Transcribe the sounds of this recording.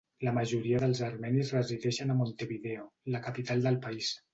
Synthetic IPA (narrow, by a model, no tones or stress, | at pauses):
ləməʒuɾiəðəlˠzəɾmɛnizrəziðɛʃənamont̪eβiðɛoləkapit̪alˠd̪əlˠpais